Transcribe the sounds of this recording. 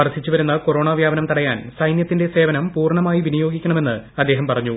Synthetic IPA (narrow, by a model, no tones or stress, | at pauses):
ɐrsit͡ɕːuʋɐɾunːɐko̞ɾo̞ːɳaːʋjaːbɐnɐmt̪ɐɽɐja̰ːnsɐjnjɐt̪ːinde̞se̞ːʋɐnɐmpuːrɳɐmaːjiʋinijo̞ːɡikʲːɐɳɐme̞nːɨɐd̪ːe̞ːɦɐmpɐrɐɲːu